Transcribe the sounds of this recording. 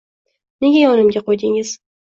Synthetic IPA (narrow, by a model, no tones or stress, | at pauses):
ne̞ɡʲajɒnɪmɡʲaqojd̪ɪŋɪz̥